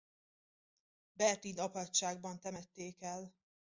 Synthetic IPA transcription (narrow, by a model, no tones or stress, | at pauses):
bɛrt̪iːnɒpɒtʃaːɡ̚bɒnt̪ɛmɛt̪ːeːkɛl